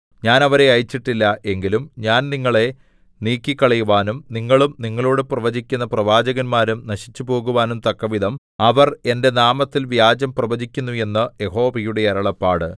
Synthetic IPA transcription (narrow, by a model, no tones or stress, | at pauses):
ɲaːnɐʋɐɾe̞ɐjit͡ɕːiʈːilːɐʔe̞ŋɡilumɲaːnniŋːɐɭe̞ | niːkːikːɐɭɐjuʋaːnumniŋːɐɭumniŋːɐɭo̞ːɽeprɐʋɐd͡ʑikʲːunːɐprɐʋaːd͡ʑɐɣɐnmaːɾumnɐɕi̥t͡ɕːupo̞ːɣuʋaːnumt̪ɐkːɐʋid̪ʱɐm | ɐʋɐre̞nde̞naːmɐt̪ːilʋjaːd͡ʑɐmprɐʋɐd͡ʑikʲːunːuje̞nːɨje̞ɦo̞ːʋɐjuɽe̞ɐɾɐɭɐpːaːɽɨ